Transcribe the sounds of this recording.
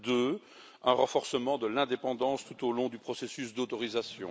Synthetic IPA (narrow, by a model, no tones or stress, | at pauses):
d̪ø | ɛ̃ʁɑ̃fɔʁsəmɑ̃d̪əlɛ̃d̪epɑ̃d̪ɑ̃st̪ut̪olɔ̃d̪ypχɔsesysd̪ot̪ɔʁizasjɔ̰̃